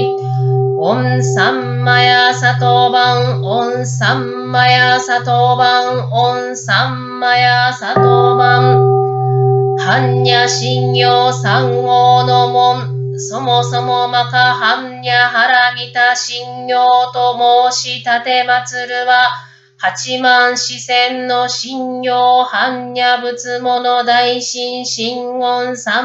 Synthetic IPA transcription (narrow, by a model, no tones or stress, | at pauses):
õnsãmːajasat̪obãŋõñsãmːajasat̪obãŋõñ | sãmːajasat̪obãŋ | hãɲɲaɕĩɲjoːsãŋɡoːnomõso̞moso̞momakahãɲɲʲaɦaɾamʲit̪aɕĩɲjoːt̪o̞moːɕit̪at̪e̞mat͡sɨɾɯ̟βa | hat͡ɕimãɰ̃ɕisẽnːoɕĩɲjoːhãɲɲabɯ̟t͡sɨmonod̪aiɕĩɰɕĩŋɡõnsã